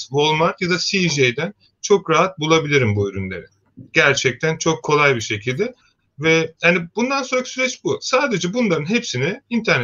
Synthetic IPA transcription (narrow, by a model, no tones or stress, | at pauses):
vo̞lˠmaɾt̪jad̪asiʒejd̪æn | t͡ʃʰo̞kɾaɦat̪̚bulˠabilʲiɾimbuyɾynlʲe̞̰ɾɪ | ɟ̥æɾt͡ʃʰɛc̚t̪ʰænt͡ʃʰo̞kʰːo̞lˠajbiʃe̞cʰilʲd̪ɪ | vɛhanibund̪ansonɾacʰsyɾɛt͡ʃbusaːd̪e̞d͡ʒɛbunlˠaɾɯnɦepsinɪint̪ʰæɾn